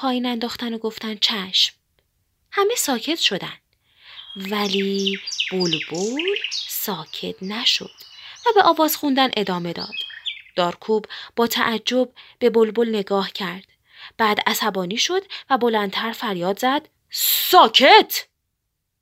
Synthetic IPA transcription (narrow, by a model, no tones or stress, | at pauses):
pʰɒːjiːnænd̪ɒːxt̪ænoɡo̞ft̪ænt͡ʃʰæʃm | hæme̞sɒːcʰe̞t̪ʃo̞d̪ænd̪ | væliːb̥olbolsɒːcʰe̞t̪næʃo̰d̪̥væbe̞ʔɒːvɒːz̥xund̪ænʔe̞d̪ɒːme̞d̪ɒ̰ːd̪̥d̪̥ɒːɾkʰuːbbɒːt̪ʰæʔæd͡ʒːo̞b̚be̞bolbolne̞ɡɒːhcʰæɾd̪̥ | b̥æːd̪æsæbɒːniːʃo̞d̪̥væbo̞lænd̪t̪ʰæɾfæɾjɒːd̪zæd̪̥ | sɒːcʰet̪ʰ